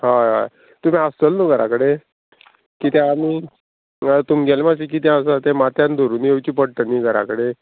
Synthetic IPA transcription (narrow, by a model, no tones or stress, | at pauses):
ɦaa̰ | t̪um̤ĩast͡səlnuɡʱəɾa̰kəɽe | kiːt̪ɛ̃amiː | ət̪umɡelemasik̬iːt̪̬ɛ̃əsat̪ɛmat̪jãnd̪ʱoɾuːnjewt͡ɕiːpəɽʈ̪əniːɡʱəɾa̰kəɽe